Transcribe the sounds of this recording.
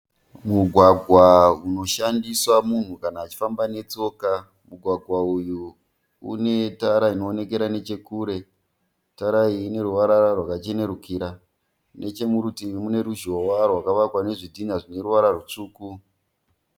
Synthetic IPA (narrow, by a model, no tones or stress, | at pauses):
muɡʱwaɡʱwauno̞ʃandiswamun̤ukanaːt͡ʃi̥fambane̞t͡so̞ka | muɡʱwaɡʱwauju | ṵne̞taɾaino̞ːne̞ke̞ɾane̞t͡ʃe̞kuːɾe̞ | taɾaiːne̞ɾuʋaɾaɾarwakat͡ʃe̞ne̞ɾukiɾa | nʔe̞t͡ʃe̞muɾutimune̞ɾuʒo̞warwakaʋakwane̞ʐidʱinaʐine̞ɾuʋaɾarut͡ʂuːku